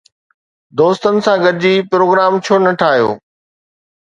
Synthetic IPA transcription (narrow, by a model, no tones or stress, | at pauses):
d̪oːst̪ənɪ̆sãɡɐɾɪd͡ʑiːpɾoːɡɾaːmt͡ɕʰoːnɐʈʰaːɦijo̰ː